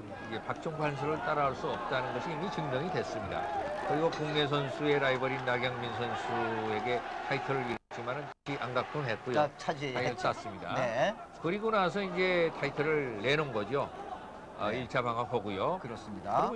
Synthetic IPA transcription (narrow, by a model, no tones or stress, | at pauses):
id͡ʑe̞pak̚t͡ɕ͈ʌŋpʰwans̬ʰɯɾɯɭt͈aɾaɭs͈uʌp̚t͈anɯnɡʌɕʰiːmit͡ɕɯŋdʌŋidwe̞s͈ɯmɲida̰kɯɾiɡokoŋne̞s̬ʰʌnsʰue̞ɾaibʌɾinːaɡjaŋminsʰʌnsʰue̞ɡe̞tʰaitʰʌɾɯɾiɾɯt͡ɕ͈imanɯntɯ̥t͡ɕʰiʔaŋɡak̚t͈ʰɯnɦe̞t̚k͈ujot͡ɕʰaas͈as͈ɯmɲida̰ | kɯɾiɡonas̬ʰʌind͡ʑe̞tʰaitʰɯɾɯɭːe̞nɯnɡʌd͡ʑio | ʌ̰iɭt͡ɕʰabaŋaɦoɡujokɯɾʌs͈ɲidaɾ